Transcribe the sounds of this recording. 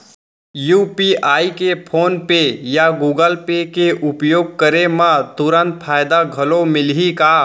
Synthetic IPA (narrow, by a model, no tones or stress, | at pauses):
juːpiaːikepʰoːnpejaɡuːɡəlpekeʔʊpjoːɡ̚kəɾemãt̪ʊɾə̃nt̪̚pʰaːjd̪aɡʱɐlomɪlɦikaː